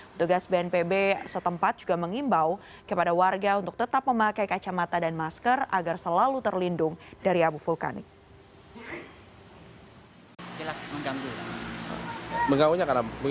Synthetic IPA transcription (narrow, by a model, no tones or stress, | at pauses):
unt̪uɡasbeɛnpebesət̪əmpat̪̚d͡ʒuɡaməŋimbaw | kəpadawarɡaunt̪ʊk̚t̪ət̪ap̚məmakajkat͡ʃamat̪adanmaskəra̰ɡarsəlalut̪ərlindʊŋdaɾiabufulka̰nɪ̰k̚ | d͡ʒəlasməŋɡand̪ula̰ | məŋɡawuɲakaɾabu